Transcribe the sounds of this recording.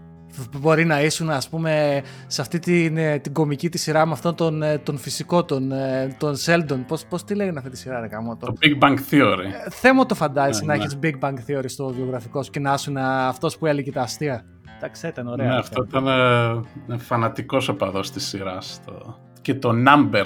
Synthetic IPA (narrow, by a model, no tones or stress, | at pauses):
bo̞ɾinɐisunɐspume̞ | seɐft̪it̪int̪iɡo̞micit̪isiɾɐmeɐft̪ont̪ont̪o̞nfisiko̞t̪ont̪o̞nse̞ld̪o̞npospo̞st̪ileɣɐnɐft̪it̪isiɾɐɾekɐmot̪oobiɡ̚bɐŋɡθioɾiθe̞mot̪ofɐnd̪ɐzisnɐeçizbiɡ̚bɐŋkθio̞ɾist̪o̞vio̞ɣɾɐfiko̞su̥cenɐɐsunɐːft̪o̞spuelecet̪ɐːst̪iɐ | d̪ɐkseit̪ɐno̞ɾeɐeɐft̪oit̪ɐneinefɐnɐt̪iko̞sopɐðo̞st̪isiɾɐst̪o̰ | cet̪o̞nɐmbeɾ